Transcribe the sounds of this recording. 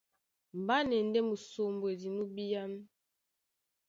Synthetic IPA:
m˨ba˦nɛ˨n˦dɛ˦mu˨so˨mbo˨e˨di˨nu˦bi˦ja˦m˦

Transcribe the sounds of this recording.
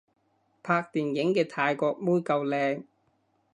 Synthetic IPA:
pʰaː˧k̚t̪iː˨njɪ˨˥ŋkɛː˧t̪ʰaː˧jkɔː˧k̚muː˥jkɐ˧wlɛː˧ŋ

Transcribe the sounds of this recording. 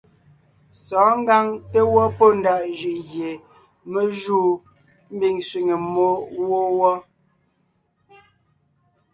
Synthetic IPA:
sɔː˨˦ŋ̩˦ɡa˦ŋte˦wɔ˦po˦n̩˨da˦˨ʔʒʉ˨ʔɣje˨ | me˦ʒuː˦˨ | m̩˦bi˦˨ŋswi˨ŋe˨mo˦wo˦wɔ˦

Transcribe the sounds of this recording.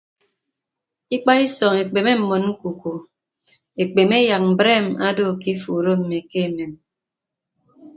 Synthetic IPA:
i˦k͡pa˦i˦sɔ˨ŋe˨k͡pe˨me˦m̩˨mo˨nŋ̩˦ku˨ko˨ | e˨k͡pe˨me˦ja˨k̚m̩˨bɾeː˦˨ma˦do˦˨ki˦fuː˨ɾo˦m̩˨me˨ke˦e˨me˨m

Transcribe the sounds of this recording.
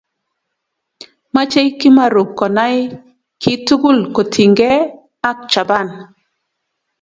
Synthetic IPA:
ma˦t͡ʃe˦jki˦ma˦ɾu˨kːo˨na˦j | ki˦tu˦ɡu˦˨lko˨tʰi˨ŋɡe˦ | a˦k̚t͡ʃa˨ba˦˨n

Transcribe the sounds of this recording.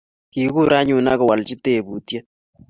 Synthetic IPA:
ki˨ku˦ɾa˦ɲu˨na˦ɣɔ˨wa˨lt͡ʃi˦te˨βu˨tje˦

